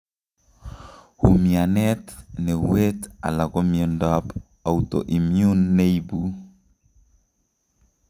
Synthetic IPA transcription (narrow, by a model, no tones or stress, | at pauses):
humianɛtnɛweta̰lakɔmjɔndap | awto̰ʔimjunːeibu